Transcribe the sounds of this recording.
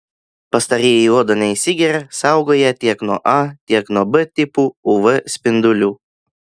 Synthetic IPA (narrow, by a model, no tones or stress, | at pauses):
pɐst̪ɐɾʲijɪuɔd̪onʲɛɪsʲɪɡʲɛɾʲɛsɑˑʊɡoːjɛt̪ʲiɛknuɔʔɑt̪ʲiɛknuɔbɨt̪ʲɪpuːuʋɨsʲpʲɪnd̪ʊlʲuː